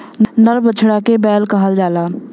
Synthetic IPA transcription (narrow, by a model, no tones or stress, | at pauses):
nəɾbət͡ʃʰɽakebɛːlkəɦəld͡ʒaːla